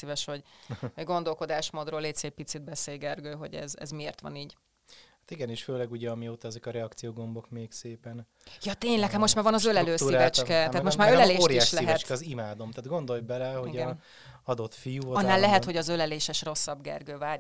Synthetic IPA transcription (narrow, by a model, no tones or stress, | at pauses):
iːvɛʃho̞ɟhoɟɡo̞nd̪o̞lko̞d̪aːʃmoːd̪roːleːc̪seːpːit̪sit̪̚bɛseːjɡɛrɡøːɦoɟɛ̰zɛ̰zmieːrt̪ʋɒ̰niːɟ | hat̪iɡɛniʃføːlɛɡuɟɛɒmioːt̪ɒɛzekɒɾɛɒkt̪sijoːɡo̞mbo̞kmeːkseːpɛn | jɒt̪eːɲlɛkhatmo̞ʃt̪maːrvɒnɒzølɛløːssivɛt͡ʃkɛaːt̪moʃt̪maːɾølɛleːoʃɾiaːʃlɛɦɛɛt̪t͡ʃ̪kɛɒzimaːd̪o̞mt̪aːt̪d̪ɡo̞nd̪o̞jbɛlɛhoiɟɡɛn | ɒd̪o̞t̪fijuoɒnːaːlːɛɦɛt̪ho̞ɟɒzølɛleːʃɛʃro̞sːɒbɡɛ̰rɡøːvaːr